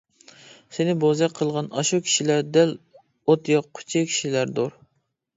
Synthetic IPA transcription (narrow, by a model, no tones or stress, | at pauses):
senɪbozɛqqʰːəlˠʁɑnɑʃukʲʰi̥ʃilæɾd̪ɛl | ot̪joqːʰʊ̥t͡ʃʰikʲʰi̥ʃilæɾd̪oɾ